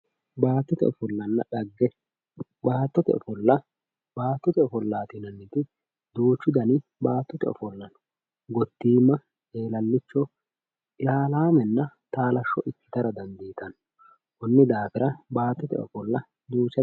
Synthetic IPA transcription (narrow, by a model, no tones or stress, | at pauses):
baːt̪ːɔt̪ɛ̰ɔfɔlːɐnːɐᶑɐɡːɛ | baːt̪ːɔt̪ɛ̰ʔɔ̰fɔlːɐ | baːt̪ːɔt̪ɛɔfɔlːaːt̪ɪnɐnːɪt̪ɪ | d̪uːt͡ʃːʊd̪ɐnɪbaːt̪ːɔt̪ɛɔ̰fɔlːɐnɔ̥ | ɡɔt̪ːiːmːɐ | eːlɐlːɪt͡ʃːɔ | laːlaːmɛnːɐt̪aːlɐʃːɔʔɪtːɪ̥t̪ɐɾɐd̪ɐnd̪iːt̪ɐn | hɔnːɪd̪aːfɪɾɐbaːt̪ːɔt̪ɛ̰ɔ̰fɔlːɐ | d̪uːt͡ʃːɐ